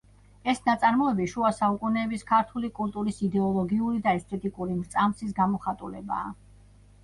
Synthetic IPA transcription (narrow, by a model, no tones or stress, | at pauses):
ɛsnat̪sʼaɾmɔɛbiʃuasaukʼunɛːbiskʰaɾt̪ʰulikʼult̪ʼuɾisid̪ɛɔlˠɔɡiuɾid̪aɛst̪ʼɛt̪ʼikʼuɾimɾt̪sʼamsis̬ɡamɔχat̪ʼulɛ̰ba̰ː